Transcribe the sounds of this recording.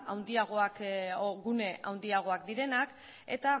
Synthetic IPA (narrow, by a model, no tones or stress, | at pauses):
awnd̪iaɣ̞o̞akɣune̞ʔa̰wnd̪iaɣ̞o̞akd̪iɾe̞nak | e̞̰t̪a